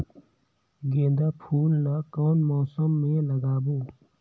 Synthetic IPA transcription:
ɡẽːnd̪aːpʰuːlnakɔːnmɔːsəmːẽlɐɡaːbũː

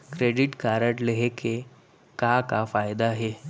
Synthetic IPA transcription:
kɾeɖiʈkaɾəʈləɦekʰe | kakafajd̪aɦe

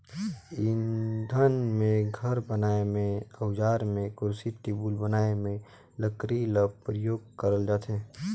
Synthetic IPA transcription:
ɪnd̪ʱənmẽɡʱəɾbənaːemẽəwd͡ʒaːɾmẽkʊɾsiʈ̪eːbuːlbənaːemẽ | ləkɾiləb̚pɾəjoːɡ̚kəɾəld͡ʒaːt̪eː

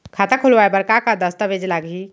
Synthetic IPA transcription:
kʰat̪akʰulʋaebəɾkakad̪əst̪əbed͡ʒlaɡi

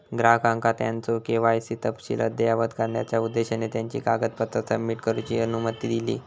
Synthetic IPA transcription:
ɡɾaɦkaŋkat̪ja̰nt͡sokeʋajsit̪əpɕḭlʔə̰d̪ejaʋəd̪kaɾlja̰t͡ɕjaud̪ːeɕanet̪jaɲt͡ɕḭkaɡət̪̚pət̪ːɾasəmːiʈkəɾut͡ɕiənumət̪iːd̪ilḭː

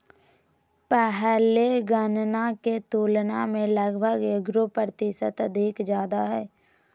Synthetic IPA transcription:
pɛɦleɡənnaket̪oːlnamẽləɡbʱəɡeɡɾopɾət̪ɪʃət̪əd̪ʱikd͡ʒjaːd̪aɦɛː

